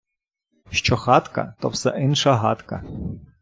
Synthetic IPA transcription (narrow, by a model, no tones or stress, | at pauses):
ʃt͡ʃɔxɑt̪kɐ̰t̪ɔwsɛ̰ʔɪnʃɐɦɑt̪kɐ